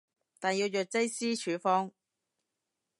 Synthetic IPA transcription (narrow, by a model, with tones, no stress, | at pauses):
t̪aː˨njiː˧wjœː˨t̚t͡sɐ˥jsiː˥t͡ʃʰyː˨˥fɔː˥ŋ